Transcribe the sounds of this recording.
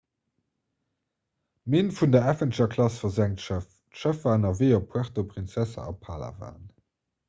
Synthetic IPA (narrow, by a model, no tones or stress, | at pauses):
meːnfundɐæfəntəʃɐkʰlɑsfɐzæŋtʃəf | ʃəfaːnɐveːopʰuaʁtopʁint͡sæsɐ̰ɑ̰pʰaːla̰va̰ːn